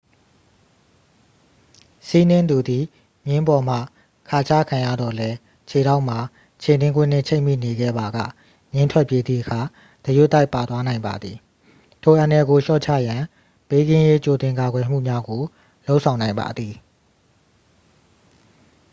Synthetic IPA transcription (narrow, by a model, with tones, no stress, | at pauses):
si˦nɪ̃˦nd̪u˨d̪i˨ | mjɪ̃˦mbɔ˨m̥a̰˦˨ | kʰa˨t͡ɕʰa̰˦˨kʰã˨jä̰˦˨d̪ɔ˨lɛ˦ | t͡ɕʰe˨ɾa˦ʊʔm̥a˨ | t͡ɕʰe˨nɪ̃˦ŋɡwɪ̰̃˦˨n̥ɪ̰̃˦˨t͡ɕʰẽ˦ɪʔmḭ˦˨ne˨ɡɛ̰˦˨ba˨ɡä̰˦˨ | mjɪ̃˦ntʰwɛ˦ʔpje˦d̪ðḭ˦˨ʔəkʰa˨ | d̥̪ə˨ju˦t̪ːa˦ɪpːa˨t̪wa˦nã˨ɪ̃mba̰˨d̪ði˨ | tʰo˨ʔã˨nɛ˨ɡo˨ʃɔ̰˦˨t͡ɕʰä̰˦˨jã˨ | pe˦ɡɪ̃˦je˦t͡ɕo˨t̪ɪ̃˨ŋka˨ɡwɛ˨m̥ṵ˦˨mja˦ɡo˨ | lo˦ʊʔsʰã˨ʊ̃nã˨ɪ̃mba̰˨d̪ði˨